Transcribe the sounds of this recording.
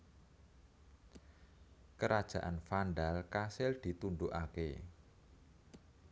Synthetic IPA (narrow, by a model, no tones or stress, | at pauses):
kəɾad̥ʒ̥a̤ʔanfanɖalkasɪld̪̥i̤t̪unɖ̪uʔakḛ